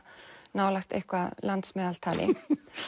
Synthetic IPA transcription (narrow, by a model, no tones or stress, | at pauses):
naːwlaxt̪ḛhkvalant̪smɛːðalt̪ʰaːlʔɪ̰